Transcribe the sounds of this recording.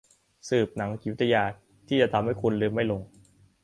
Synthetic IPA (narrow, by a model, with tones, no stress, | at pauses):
sɯː˨˩p̚na˩˦ŋki˨˦˩t̪ʰa˧jaː˧˩ | t̪ʰːiː˥˩t͡ɕa˨˩t̪ʰa˧mha˥˩jkʰu˧nlɯː˧mːa˥˩jlo˧ŋ